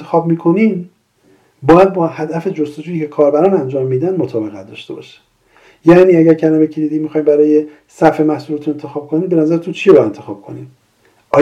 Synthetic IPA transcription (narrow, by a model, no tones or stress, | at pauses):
exɒːb̚miːkʰo̞niːm | bɒːjæd̪̚bɒːhæd̪æfed͡ʒost̪od͡ʒuːjiːcʰe̞kʰɒːɾbæɾɒːnænd͡ʒɒːmːiːd̪ænmot̪ʰɒːbe̞ɣæt̪̚d̪ɒ̰ʃt̪e̞bɒ̰ːʃi̥ | jæʔniːæɟæɾcʰænæbecʰed̪id̪iːmmixɒːjmbæɾɒːje | sæfe̞mæhsulet̪ʰune̞nt̪ʰexɒːb̚kʰo̞niːmbe̞næzæɾet̪unt͡ʃʰijebæd̪ent̪ʰe̞xɒːb̥̚kʰo̞̰nḭm | ʔɒː